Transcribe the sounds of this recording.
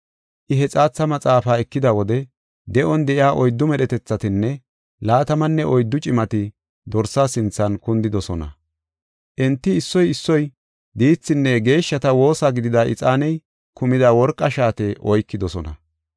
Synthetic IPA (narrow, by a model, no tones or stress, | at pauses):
ʔɪɦɛt͡sʼaːt͡sːɐmɐt͡sʼaːfaːɛkːɪd̪ɐwɔd̪ɛ | d̪ɛʔɔnd̪ɛʔɪaːʔɔjd̪ːʊmɛɗɛt̪ɛt͡sːɐt̪ɪnːɛ | laːt̪ɐmɐnːɛʔɔjd̪ːʊt͡ʃʼɪmɐt̪ɪ | d̪ɔɾsaːsɪnt͡sːɐnkʊnd̪ɪd̪ɔsɔnɐ̰ | ʔɛnt̪ːɪɪsːɔjɪsːɔj | d̪iːt͡sːɪnːɛɡe̞ːʃːɐt̪ɐwo̞ːsaːɡɪd̪ɪd̪aʔɪ̰t͡sʼaːnɛj | kʊmɪd̪awɔɾkʼːɐʃaːt̪ɛʔɔjkːɪd̪ɔsɔnɐ̰